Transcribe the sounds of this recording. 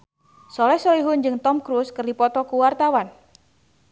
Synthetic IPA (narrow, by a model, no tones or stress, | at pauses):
sɔlɛhsɔliɦʊnd͡ʒɨŋt̪ɔmkɾuskɨrdipɔt̪ɔkuwart̪awan